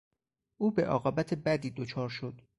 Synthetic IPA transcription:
ʔuːbe̞̰ʔɒ̰ːɣɒːbæt̪ʰebæd̪iːd̪ot͡ʃʰɒːɾʃo̞d̪̥

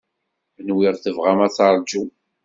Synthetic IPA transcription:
nwiʁθəvʁamæt͡sɑɾˤd͡ʒu

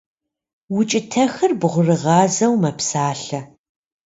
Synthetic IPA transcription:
wʊt͡ʃʼɪtʰɐxɨrbʁʷʊrɨʁɑːzɐwmɐpsaːɬɐ

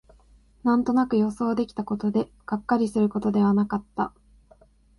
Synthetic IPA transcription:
nãnt̪o̞nakɯ̟jo̞so̞ːd̪e̞kʲi̥t̪ako̞t̪o̞d̪e̞ | ɡ̥akːaɾʲisɨɾɯ̟ko̞t̪o̞d̪e̞β̞anakat̪ːa

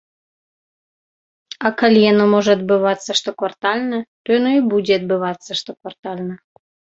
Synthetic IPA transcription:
ɑkɑlʲjenomoʒət̪̚bɨβɑt͡sːəʃt̪okort̪ɑlʲnət̪ojnoibudʲet̪̚bɨβɑt͡sːəʃt̪okort̪ɑlʲnə

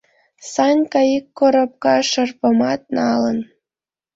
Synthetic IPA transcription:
sɑnʲkɑikːoɾop̚kɑʃə̆rpə̆mɑt̪̚nɑlən

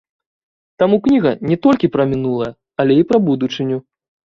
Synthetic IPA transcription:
t̪amuknʲiɣɐnʲɛt̪ɔlʲkʲipɾɐmʲinulˠɐjɐ | ɐlʲɛipɾɐbud̪ut͡ʂɨnʲu

